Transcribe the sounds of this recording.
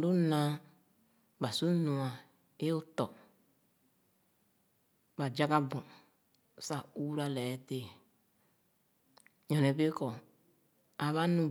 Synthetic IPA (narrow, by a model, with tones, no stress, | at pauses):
du˦nã˨˦ | ba˨su˦nũ˨a˨ | e˦u˦tɔ˨ | ba˨d͡ʒa˦ka˦bu˨ | sa˦˨u˦ɾa˦lɛ˨˦te˦˨ | ɲɔ̃˨nɛ˨be˦kɔ˨ | a˨βa˦nũ˨